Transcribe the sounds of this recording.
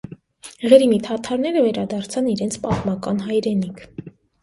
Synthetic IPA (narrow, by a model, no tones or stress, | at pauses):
ʁɛɾimit̪ʰɑt̪ʰɑɾnɛɾəvɛɾɑd̪ɑɾt͡sʰɑniɾɛnt͡sʰpɑt̪mɑkɑnɦɑjɾɛnikʰ